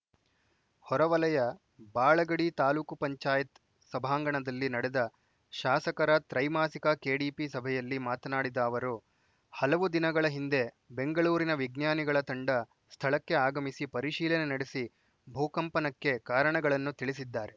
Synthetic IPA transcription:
hɔɾɐʋɐlɐjɐ | baːɭɐɡɐɽit̪aːluːkupɐɲt͡ʃaːjɐt̪ | sɐbʱaːŋɡɐɳɐd̪ɐlːinɐɽed̪ɐ | ʃaːsɐkɐɾɐt̪ɾɐjmaːsikɐke̞ːɽiːpisɐbʱɛjɐlːimaːt̪ɐnaːɽid̪ɐːʋɐɾu | hɐlɐʋud̪inɐɡɐɭɐɦind̪e̞ | be̞ŋɡɐɭuːɾinɐʋiɡnjaːniɡɐɭɐt̪ɐɳɖɐ | st̪ʰɐɭɐkːe̞aːɡɐmisipɐɾiʃiːlɐnenɐɽesi | bʱuːkɐmpɐnɐkːe̞kaːɾɐɳɐɡɐɭɐnːut̪iɭis̬id̪ːaːɾe̞

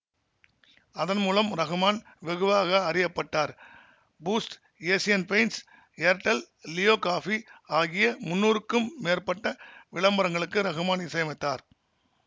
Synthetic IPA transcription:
ɐðɐnmuːlɐmɾɐɣɯmaːn | ʋɛɣɯʋaːɣɐːɾɪjɐpːɐʈːaːɾ | buːsʈ | eːsɪjɐnpɐɪns | eɾʈːɐl | lɪjoːkaːfiaːɣɪjɐmʊnːuːɾɯkːɯmːeːɾpɐʈːɐʋɪɭɐmbɐɾɐŋɡɐɭɯkːɯɾɐɣɯmaːnɪsɐjɐmɐɪt̪ːaːɾ

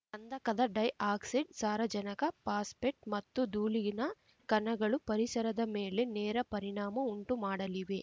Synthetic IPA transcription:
ɐnd̪ɐkɐd̪ɐɖɐjaːksiɖsaːɾʋɐd͡ʒɐnɐkɐpaːspeʈ̚mɐt̪ːud̪uːliɡinɐ | kɐnɐɡɐɭupɐɾisɐɾɐd̪ɐmeːle̞nɛːɾɐpɐɾiɳaːmɐuɳʈumaːɽɐliʋe̞

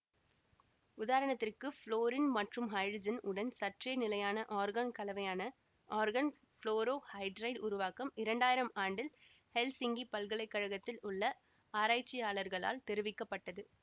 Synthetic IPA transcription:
ʊðaːɾɐɳɐt̪ːɪrkɯfɭoːɾɪnmɐʈrɯmɦɐɪɖd͡ʒɐnɯɽɐnsɐʈrɐnɪlɐjaːnɐʔaːɾɡaːnkɐlɐʋɐjaːnɐ | ʔaːɾɣɐn | floːɾoːhɐɪɖɾɐɪɖʊɾʊʋaːkɐmɪɾɐɳɖaːjɪɾɐmaːɳɖɪl | hɛlsɪŋɡipɐlɣɐɭɐɪkːɐɻɐɣɐt̪ːɪlʊɭːɐ | aːɾaːt͡ʃːɪjaːɭɐɾɣɐɭa̰ːlt̪ɛɾɯʋɪkːɐpːɐʈːɐðɯ

